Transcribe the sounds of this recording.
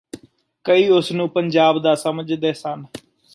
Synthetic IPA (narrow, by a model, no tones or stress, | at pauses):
kəiːʊsnũːpəɲd͡ʒaːbd̪aːsəməd͡ʒd̪eːsən